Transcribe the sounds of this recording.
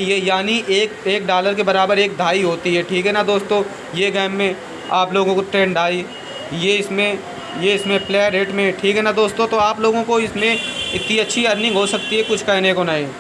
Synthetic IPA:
jejaːniʔeːk̚eːk̚ɖaːləɾk̬ebɐɾaːbəɾeːk̚d̪ʱaːiɦoːt̪iɦɛʈʰiːkɦɛnad̪oːst̪õ | jeɡɛːmmẽ | aːploːɡõkoʈɾẽːɳɖaːi | jeɪsmẽ | jeɪsmẽpleːəɾeːʈmẽʈʰiːkɦɛnad̪oːst̪õt̪oaːploːɡõkoɪsmẽɪt̪nĩɐtːʃʰiɐɾnɪ̃ŋɡɦosɐk̚t̪iɦɛkʊt͡ʃʰkɐɦnekonaːɦiː

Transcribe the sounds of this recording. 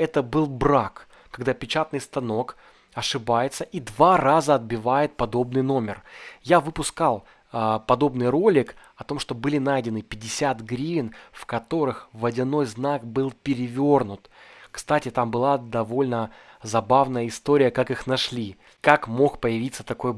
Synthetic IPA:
ɛt̪əbɨlˠbɾak | kːɐɡd̪apʲɪt͡ɕat̪nɨjst̪ɐno̞k | ɐʂɨbajɪt̪səʔid̪varazəɐd̪̚bʲɪvajɪt̪̚pɐd̪o̞bnɨjno̞mʲɪrjavɨpʊskalˠ | pɐd̪o̞bnɨjɾo̞lʲɪkɐt̪o̞mʂt̪o̞bɨlʲɪnajdʲɪnɨpʲɪdʲːɪsʲat̪ɡɾʲivʲɪnfkɐt̪o̞ɾɨxvədʲɪno̞jznakbɨlˠpʲɪɾʲɪvʲo̞rnʊt̪kst̪atʲɪt̪ambɨlˠad̪ɐvo̞lʲnəzɐbavnəjəɪst̪o̞ɾʲɪjəkakɨxnɐʂlʲi | kakmo̞xpəjɪvʲit̪sːət̪ɐko̞j

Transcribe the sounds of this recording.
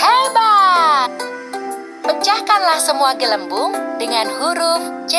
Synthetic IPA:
hɛbat̪̚ | pət͡ʃahkanlahsəmuaɡələmbʊŋdəŋanhuɾʊft͡ʃ

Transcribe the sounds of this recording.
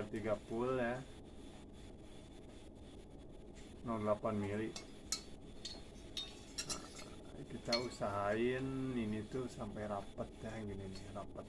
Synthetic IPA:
rt̪iɡapulja | nɔdlapanmili | kit̪ausaɦainːinit̪usampajɾapət̪jaɡəninirapət̪̚

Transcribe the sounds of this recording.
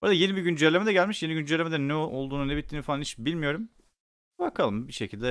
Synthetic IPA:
oɾad̪aje̞nibiɟynd͡ʒælʲːemed̪ɛɟælʲmiʃjeiɟynd͡ʒɛlʲːemed̪ɛnɛolˠd̪uːnunɛbit̪ʰːiːnifalˠanhit͡ʃbilʲmijo̞ɾum | bakʰalˠɯmbiʃecʰilʲd̪ɛ

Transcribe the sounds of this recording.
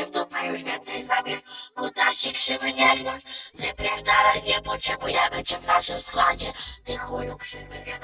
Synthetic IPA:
vd̪upajuʐvʲjɛnt̪sɛjznamʲikut̪aɕikʂɪvɘɲɛlʲnavɪpɾʲavd̪avɛɲɛpɔtʂɛbujɛmɘt͡ɕɛvnaʂɨmskwad͡ʑɛt̪ɪxujukʂɪvɛ

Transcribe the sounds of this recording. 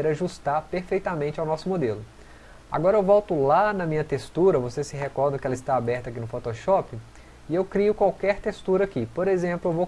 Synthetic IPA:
ɾɐʒust̪aɾpeɾfejt̪amẽnt͡ʃɪawnɔsʊmod̪elʊ | a̰ɡɔɾɐewvɔwt̪ʊlanɐmĩɲɐt̪est̪uɾɐvosesɪɦekɔɾd̪ɐ̃kɪɛlɐɪst̪aabɛɾt̪ɐakinʊfot̪oʃɔpɪ | ɪewkɾijʊkwawkɛɾt̪est̪uɾɐakipoɾezẽmplʊewvow

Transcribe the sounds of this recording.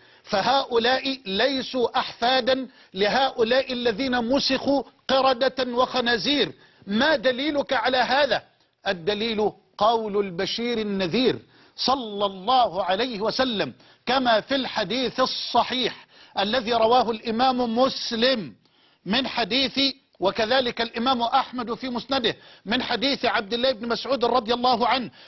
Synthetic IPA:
faɦaːʔʊlaːʔɪlajsuːʔaħfaːd̪an | lɪɦaːʔʊlaːʔɪlːaðiːnamʊsɪxuːqɪɾˤɑd̪awɑxanaːziːɾ | mad̪aliːlʊkaʕalaːɦaːðaː | ʔad̪ːaliːlʊ | qɑwlʊlbaʃiːɾɪnːaðiːɾ | sˤɑlːɑlˤːɑːhʊʕalajhɪwasalːam | kamaːfɪlħad̪iːθɑsˤːɑħiːħʔalːaðiːɾˤɑwaːɦʊlʔɪmaːmʊmʊslɪmː | ɪnħad̪iːθɪ | wakaðaːlɪkalʔɪmaːmʊʔaħmad̪fiːmʊsnad̪ɪhmɪnħad̪iːθʕab̚d̪ɪlːaːʔɪbnɪmasʕuːd̪ɾˤɑd̪ˤɨjɑlˤːɑːɦʊʕanh

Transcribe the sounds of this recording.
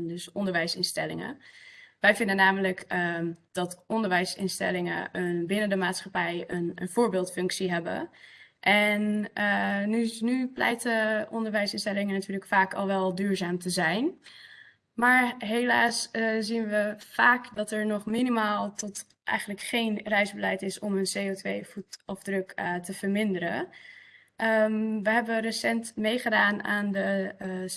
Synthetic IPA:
dəsɔndəɹʋɛjsɪnstɛ̰lɪ̰ŋə̰ʋɛjvɪndənaːmələkd̥ɑtʔɔndəɹʋɛjsɪ̰nstɛ̰lɪŋə̰ənbɪnəndəmaːtsχapɛjənə̰nv̥ʊːɹbɪːlˠtfɵŋksiɦɛbə̰ʔɛnənynyplɛ̰jtəʔɔndəɹʋɛjsɪnstɛlɪŋənatyːɹləkfaːkʰɑ̰lˠʋɛlˠdyːɹzaːmtəzɛjn | maːɹɦelaːsziənʋəfaːkdɑtəɹnɔχminimaːlˠtɔt | ʔɛ̰jχəndləkχeːnrɛjzbəlɛjtɪsɔmənseːotʋḛjfutɔfdrøktəv̥əɹmɪndəɾə̰ | ʔəmʋəɦɛbərəsɛntmejχədaːnaːndə

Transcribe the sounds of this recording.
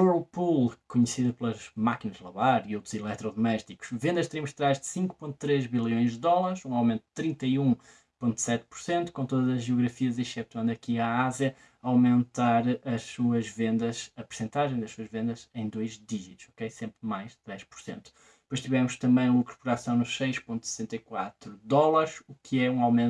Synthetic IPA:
ulˠpulˠkuɲsiðɐplˠɐʒmakinɐʒlˠɐβaɾiowt̪ɾuzilˠɛt̪ɾɔðumɛʃt̪iku̥ʃvẽnd̪ɐʃt̪ɾimuʃt̪ɾaʒd̪ɨsĩŋkpõnt̪u̥t̪ɾeʒβilˠjõj̃ʒd̪ðɔlˠaɾʃũawmẽnt̪ud̪t̪ɾĩnt̪ɐiũ | põnt̪u̥sɛt̪̚puɾsẽnt̪u̥kõt̪oðɐzɐʒiuɣɾɐfiɐzɐ̃ʃɛt̪wɐ̃nd̪ɐkiaazjɐ | awmẽnt̪aɾɐʃsuɐʒvẽnd̪ɐzɐpɨɾsẽnt̪aʒẽj̃d̪ɐʃsuɐʒvẽnd̪ɐzẽj̃d̪ojʒðiʒit̪uʃɔkejsẽmpɾmajʃt̪ɾeʃpuɾsḛ̃nt̪u̥ | pojʃt̪ivɛmuʃt̪ɐ̃mbɐ̃j̃lˠukɾu̥puɾasɐ̃w̃nuʃsɐjʃpõnt̪usɨ̥sẽnt̪ɐjkwat̪ɾuðɔlˠɐɾʃukʰɨɛũawmẽn

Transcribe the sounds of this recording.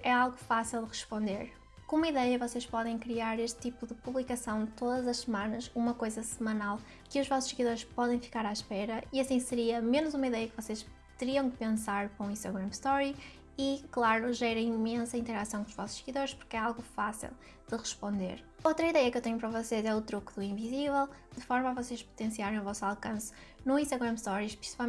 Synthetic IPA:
ɛalˠɣufasilˠd̪ɨʁɨʃpõnd̪eɾ | kõumɐiðɛjɐvɔseʃpɔðẽj̃kɾiaɾeʃt̪̚t̪ipuðɨpuβlˠikɐsɐ̃w̃t̪oðɐzɐʃsɨmãnɐʃumɐkojzɐsɨmɐnalˠ | kɨuʒvɔsu̥ʃsɨɣiðoɾʃpɔðẽj̃fi̥kaɾaʃpɛɾɐiɐsĩsɨɾiɐmenuzumɐiðɛjɐkɨvɔseʃ | t̪ɨɾiɐ̃w̃kɨpẽsaɾpõũĩʃt̪ɐɣɾɐ̃mʃt̪ɔɾi | iklˠaɾuʒɛɾɐ̃j̃imẽsɐĩnt̪ɨɾasɐ̃w̃kõuʒvɔ̰su̥ʃsɨɣiðoɾʃpu̥ɾkɛalˠɣufasḭlˠ | d̪̥ɨʁɨʃpõnd̪ḛɾ | owt̪ɾɐiðɛjɐkewt̪eɲupɾɐvɔsezɛut̪ɾukuðuĩvizivɛlˠd̪̥ɨfɔɾmavɔseʃpu̥t̪ẽsiaɾẽj̃uvɔsalˠkɐ̃s | nũĩʃt̪ɐɣɾɐmʃt̪ɔɾiʃpɾi̥si̥pal

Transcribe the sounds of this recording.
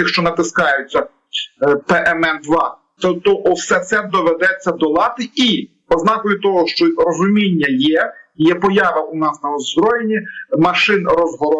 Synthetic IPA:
ɪxʃt͡ʃɔnɐt̪ɪskɑjʊt͡sʲːɐ | pɛʔɛmɛnd̪ʋɑ | t̪ɔt̪ɔʔɔwsɛt̪sɛd̪ɔʋed̪ɛt͡sʲːɐd̪ɔlˠɑt̪ɪi | ɔznɑkɔjʊt̪ɔɦɔʃt͡ʃɔrɔzʊmʲinʲːɐjɛjɛpɔjɑʋɐʔʊnɑsnɐɔzbɾɔjenʲimɐʃɪnrɔzɦɔɾɔ

